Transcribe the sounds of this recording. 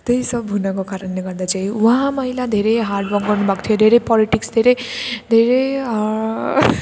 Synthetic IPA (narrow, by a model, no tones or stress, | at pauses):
t̪ɯjsʌbɦunakokaɾənneɡʌɾd̪at͡ʃʰaiwʌɦãmʌɦilad̪ʱeɾeɦaɾɖbʌɡɡʌɾnubʱak̚t̪ʰijod̪ʱeɾepɔliʈiksd̪ʱeɾed̪ʱeɾe